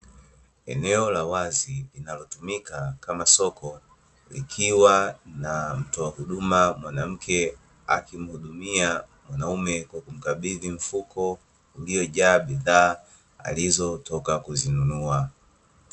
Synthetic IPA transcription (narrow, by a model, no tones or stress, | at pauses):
ɛ̰nɛɔlawazilinalɔtumikakamasɔkʰɔ | lḭkʰiwanam̩tɔahuɗumamwanam̩kʰɛ | a̰kim̩huɗumia | mwanaumɛkwakum̩kaɓiðim̩fukʰɔ | uliɔʄaːɓiðaː | a̰lizɔtɔkakuzinunua